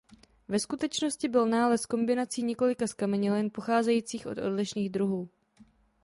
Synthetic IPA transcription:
vɛskut̪ɛt͡ʃno̞scɪbɪlnaːlɛsko̞mbɪnat͡siːɲɛko̞lɪkaskamɛɲɪlɛnpo̞xaːzɛjiːt͡siːxʔo̞t̪ʔo̞̰dlɪʃniːɣd̪ɾuɦuː

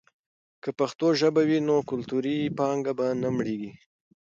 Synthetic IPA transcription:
kəpaxt̪oʒəbawinokʊlt̪uɾipɑŋɡabanamɽeɡi

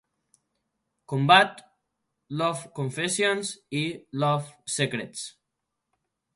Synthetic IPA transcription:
kombat̪ | lɔfkoɱfesjonsilɔfsekɾet̪s

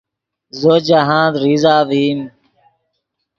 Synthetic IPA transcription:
zoːd͡ʑaɦãːd̪ɾiːzaːʋiːm

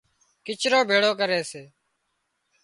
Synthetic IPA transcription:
kɪt͡ʃʰɾoːbʱeːɽoːk̬əɾeːseː

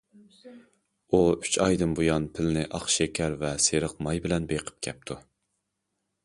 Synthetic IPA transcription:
uy̥t͡ʃʰɑjd̪ɨmbujɑnpʰɪlnɪʔɑχʃɛkʲʰɛɾvɛseɾəqmɑjbɪlɛnbeqʰə̥p̚kʲʰɛp̚t̪ʰu

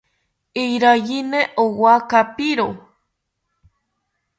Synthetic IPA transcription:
ijɾajineʔowakapiɾo

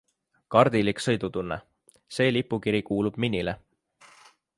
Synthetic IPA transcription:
kɑrd̪iliksɤjd̪ut̪unːe | se̞ːlipːˑukiɾikuːlub̥̚minʲːile

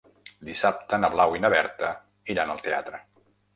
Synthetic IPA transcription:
d̪isap̚t̪ənəβlawinəβɛɾt̪ə | iɾanəlˠt̪ea̰t̪ɾə

